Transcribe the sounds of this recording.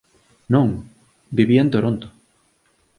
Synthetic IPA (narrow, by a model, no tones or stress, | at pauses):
nõŋ | biβient̪oɾont̪o̥